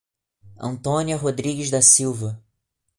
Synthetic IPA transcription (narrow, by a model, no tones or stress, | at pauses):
ɐ̰̃nt̪õniɐɦod̪ɾiɡɪzd̪ɐsiwvɐ